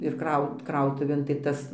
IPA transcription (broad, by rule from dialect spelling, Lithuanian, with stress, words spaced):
ɪr ˈkrɐʊt ˈkrɐʊtʊʋʲeːn tɐɪ ˈtɐs